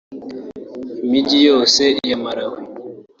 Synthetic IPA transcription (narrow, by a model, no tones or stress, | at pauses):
mid͡ʒijosɛjamaɾawe